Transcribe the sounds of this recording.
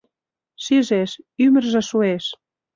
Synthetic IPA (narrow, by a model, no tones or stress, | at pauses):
ʃiʒeʃymə̆rʒĕʃueʃ